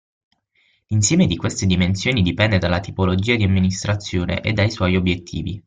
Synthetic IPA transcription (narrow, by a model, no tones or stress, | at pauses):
linsjɛːmed̪ikwest̪ed̪imensjoːnid̪ipɛnd̪ed̪alːat̪ipolod͡ʒiːad̪iamːinist̪ɾat̪sːjoːnḛʔḛd̪ːajswɔjiobjet̪ʰːḭːvi